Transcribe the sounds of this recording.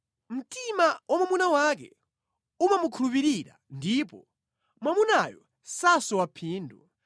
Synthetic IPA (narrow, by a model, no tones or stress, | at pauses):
m̩timawʔamamunawak̬ɛ̰ | umamukʰulup̬iɾiɾa̰ | ndipɔ | mamunajɔ | sasɔwapʰiːndu